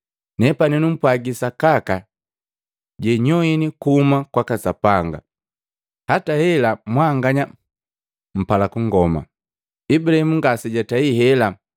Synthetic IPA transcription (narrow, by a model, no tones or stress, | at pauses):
nɛpaninum̩pwaɡisakaka | ɟɛɲɔinikuumakwakasapaŋɡa̰ | hatahɛlamwaŋɡaɲa | m̩palakuŋɡɔma̰ | ibuɾahimuŋɡasiɟataihɛla